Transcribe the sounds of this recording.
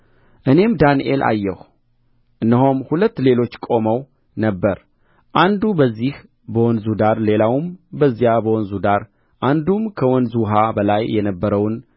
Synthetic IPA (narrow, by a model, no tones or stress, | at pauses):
ʔɨne̞md̪aniʔe̞lʔa̰jːɛ̰h | ʔɨnːəɦomhulət̪ːle̞lo̞t͡ʃːkʼo̞məw | nəbːəɾ | ʔand̪ubəzːih | bəwɔnzud̪aɾle̞lawmbəzːijabəwɔnzud̪aɾ | ʔand̪umkʰəwɔnzuɦabəlajːɛnəbːəɾəwn